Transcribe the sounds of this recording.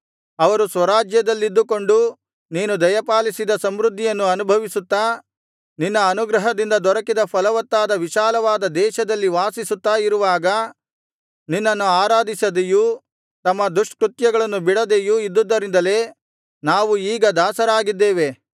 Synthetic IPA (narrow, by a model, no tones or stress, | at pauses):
ɐʋɐɾusʋɐɾaːd͡ʒjɐd̪ɐlːid̪ːuko̞ɳɖu | niːnud̪ɐjɐpaːlisid̪ɐsɐmɾud̪ʱːijɐnːuɐnubʱɐʋisut̪ːaː | ninːɐːnuɡɾɐɦɐd̪ind̪ɐd̪ɔɾɐkid̪ɐpʰɐlɐʋɐt̪ːaːd̪ɐʋiʃaːlɐʋaːd̪ɐd̪ɛːʃɐd̪ɐlːiʋaːsisut̪ːaːiɾuʋaːɡɐ | ninːɐnːuaːɾaːd̪isɐd̪eju | t̪ɐmːɐd̪uʂʈkɾut̪jɐɡɐɭɐnːubiɽɐd̪ejuid̪ːud̪ːɐɾind̪ɐle̞ː | naːʋuiːɡɐd̪aːsɐɾaːɡid̪ːeːʋe̞